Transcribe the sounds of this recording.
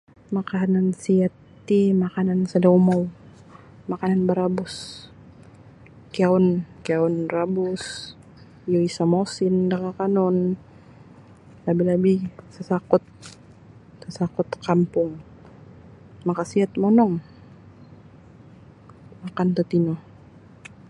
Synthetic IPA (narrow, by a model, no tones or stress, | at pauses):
makanansiat̪ː | imakanansadaumaw | makananbaɾabʊs | kiaɔnkiaʊnrabʊs | joisamosɪndakakanɔn | labilabisəsakʊt̪̚ | səsakʊt̪kampʊŋ | makasiat̪̚mɔnɔŋ | makant̪ot̪inɔ